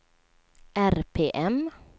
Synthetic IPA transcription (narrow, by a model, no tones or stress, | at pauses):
ʔæɾpʰeːʔɛm